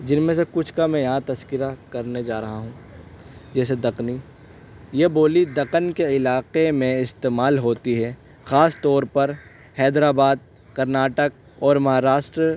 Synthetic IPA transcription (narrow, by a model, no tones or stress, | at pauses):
d͡ʒɪnmẽsekʊt͡ʃʰkamɛ̃jɐɦãt̪ɐskɪɾakɐɾned͡ʒaːɾɐɦaɦũː | d͡ʒɛːs̬ed̪ɐqni | jeboːlid̪ɐqənkeɪlaːqemẽɪst̪eːmaːlɦoːt̪iɦɛː | xaːst̪ɔːɾpɐɾ | hɛːd̪ɾaːbaːd̪̚ | kɐɾnaːʈək̚ | ɔːɾmɐɦaːɾaːʃʈɾə